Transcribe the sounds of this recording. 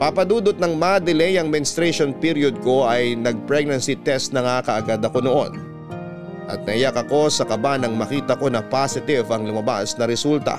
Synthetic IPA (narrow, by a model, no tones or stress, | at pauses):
papɐd̪uːd̪ot̪̚nɐŋmad̪ɛlɛjɐŋmɪnst̪ɾɛʃonpiɾjod̪̚ko̞ʔɐjnɐɡ̚pɾɛɡ̚nɐnsit̪ɛst̪nɐŋakɐʔɐɡad̪ɐko̞noʔo̞n | ʔɐ̰t̪̚nɐɪjakɐko̞sɐkɐbanɐŋmɐkiːt̪ɐko̞nɐpasɪt̪ɪvɐŋlʊmɐba̰snɐɾɛsult̪ɐ̰